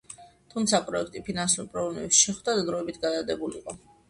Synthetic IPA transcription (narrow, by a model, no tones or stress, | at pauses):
t̪ʰumt̪sʰapʼɾɔɛkʰt̪ʼipʰinansuɾpʼɾɔɡlamɛ̰psʃɛχwd̪ad̪d̪ɾɔɛbit̪ʰɡad̪ad̪ɛbuliqʼɔ